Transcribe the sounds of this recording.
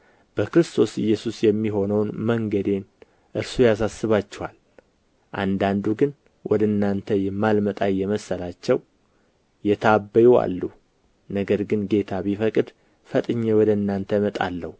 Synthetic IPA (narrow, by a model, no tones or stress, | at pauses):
b̥əkɾɨst̪ʰo̞sɪ̰jːɛsusjɛmːiɦo̞nəwnməŋɡəd̪e̞n | ʔɨɾsujas̬asːɨβat͡ʃːɛwal | ʔa̰nd̪and̪uɡɨn | wʔɔd̪əɨnːant̪ʰəjɛmːalmət̪ʼajːɛməsːəlat͡ʃːɛw | jɛt̪ʰabːəjua̰lːu | nəɡəɾɡɨnɡe̞t̪ʰaβifəkʼɨd̪ | fət̪ʼɨɲːɛwɔd̪əɨnːant̪ʰəjmət̪ʼa̰lːəhu